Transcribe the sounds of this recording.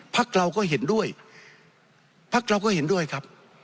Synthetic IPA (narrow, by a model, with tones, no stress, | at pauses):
pʰa˦˥˩k̚ɾa˧wkɔː˥˩ɦe˩˦ndu˥˩əj | pʰːa˦˥˩k̚ɾa˧wkɔː˥˩he˩˦ndu˥˩əjkʰɾa˦˥p̚